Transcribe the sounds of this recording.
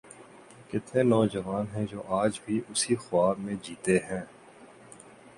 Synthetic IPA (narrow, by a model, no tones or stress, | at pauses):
kɪt̪nenɔːd͡ʒɐʋaːnɦɛ̃d͡ʒoːʔaːd͡ʒbʱiʔʊsixʊaːbmẽd͡ʒiːt̪eɦɛ̃ː